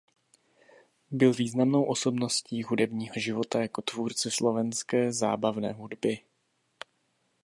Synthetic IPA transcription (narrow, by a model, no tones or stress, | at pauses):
bɪlviːznamno̞wʔo̞so̞bno̞sciːɦudɛbɲiːɦo̞ʒɪvo̞t̪ajako̞t̪vuːɾt͡sɪslo̞vɛnskɛːza̰ːbavnɛ̰ːɦudbɪ